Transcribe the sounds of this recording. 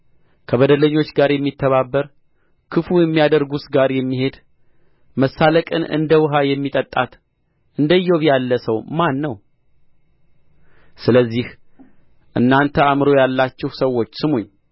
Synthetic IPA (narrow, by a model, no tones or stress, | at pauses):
kʰəβəd̪ələɲːo̞t͡ʃːɡaɾjɛmːit̪ʰːəβabːəɾ | kʰɨfujɛmːijad̪əɾɡusɡaɾjɛmːihe̞d̪ | məsːaləkʼɨ̰nʔɨ̰nd̪əwɨɦajɛmːit̪ʼət̪ʼːat̪ | ʔɨnd̪əjːo̞βjalːəsəwmanːəw | sɨləzːih | ʔɨ̰nːant̪ʰəamɾo̞jalːat͡ʃːɪhsəwːo̞t͡ʃːsɨmuɲː